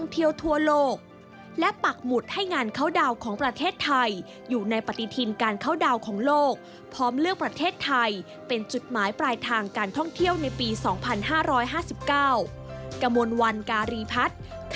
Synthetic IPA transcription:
ŋt̪ʰi˥˩əwt̪ʰu˥˩ɐloː˥˩k̚ | lɛ˦˥pa˨˩k̚mu˨˩t̪̚ha˥˩jŋaː˧nkʰa˥˩wda˧wkʰɔː˩˦ŋpɾa˧t̪ʰeː˥˩t̪ʰːa˧j | juː˨˩na˧jpa˨˩t̪ːi˨˧t̪ʰi˧nkaː˧nkʰa˦˥˩wda˧wkʰɔː˩˦ŋloː˥˩k̚ | pʰɔː˦˥mlɯ˥˩ək̚pɾa˧t̪ʰeː˥˩t̪ʰːa˧j | pe˧nt͡ɕu˨˩t̪̚maː˩˦jpɾaː˧jt̪ʰaː˧ŋkaː˧nt̪ʰɔ˥˩ŋt̪ʰi˥˩əwna˧jpiː˧sɔː˩˦ŋpʰa˧nɦaː˥˩ɾɔː˦˥jɦaː˥˩si˨˩p̚kaː˥˩w | ka˧mo˧nwa˧nkaː˧ɾiː˧pʰa˦˥t̪̚ | kʰ

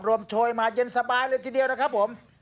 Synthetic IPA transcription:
p̚ɾu˧əmt͡ɕʰoː˧˩jmaː˧je˧˥nsa˧baː˧jlɤː˧jt̪ʰiː˧˩di˧əwna˦˥kʰa˦˥p̚ʰːo˩˦m

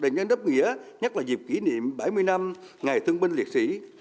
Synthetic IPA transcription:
ɗə˨˩ɲə˧nɗə˦˥p̚ŋḭ˧˥əɲə˦˥t̚laː˨˩zi˨˩p̚ki˧˩˦nḭ˧˨əmɓa˧˩jmɨ˧əjna˧m | ŋa˨˩jt̪ʰɨ˧əŋɓi˧ŋ̟li˨˩ət̚sḭ˧˥

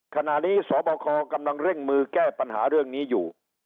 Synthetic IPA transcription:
kʰa˧na˨˩niː˦˥sɔː˩˦bɔː˧kʰɔː˧ka˧mla˧ŋɾe˥˩ŋmɯː˧kɛː˥˩pa˧nɦa̰ː˩˦ɾɯ˥˩əŋniː˦˥juː˨˩

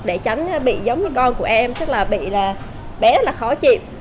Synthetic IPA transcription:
k̚ɗe˧˩t͡ɕa˨˦ŋ̟ː˨˧ɓḭ˧˨zə˨˦wŋ͡mvɨ˨˦kɔ˧nku˧˩əʔɛ˧mt͡ɕə˦˥k̚laː˨˩ɓḭ˧˨laː˨˩ | ɓɛ˨˦zə˦˥t̚laː˨˩xɔ˨˦t͡ɕḭ˨w

